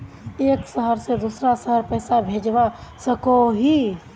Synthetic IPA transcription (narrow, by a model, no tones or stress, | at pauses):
eːksəɦəɾsed̪uːsɾasəɦəɾpɛːsabʱeːd͡ʒʋasəkoɦi